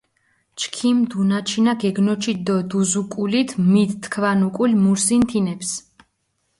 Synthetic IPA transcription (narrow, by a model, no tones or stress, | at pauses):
t͡ʃkʰimd̪unat͡ʃʰinaɡɛɡnɔt͡ʃʰid̪ɔd̪uzukʼulit̪ʰmit̪t̪ʰːkʰvanukʼulmuɾsint̪ʰinɛps